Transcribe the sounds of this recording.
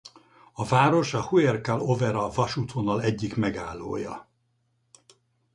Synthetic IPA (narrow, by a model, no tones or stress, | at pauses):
ɒvaːɾo̞ʃɒhuɛrkalo̞vɛɾɒvɒʃuːt̪honɒlɛɟːikmɛɡaːlːo̰ːjɒ̰